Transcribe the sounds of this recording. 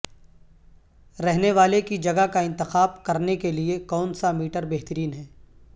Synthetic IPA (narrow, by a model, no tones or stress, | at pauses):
ɾɛɦneʋaːlekid͡ʒɐɡakaɪ̃nt̪ɪxaːbkɐɾnekeliekɔːnsamiːʈəɾbeːɦt̪əɾiːnɦɛː